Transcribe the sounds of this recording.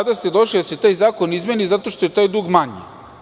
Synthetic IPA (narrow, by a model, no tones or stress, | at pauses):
ad̪ast̪ed̪oʃlid̪aset̪aːjzaːkonizmenizat̪o̞ʃt̪oet̪aːjd̪uːɡmaɲḭ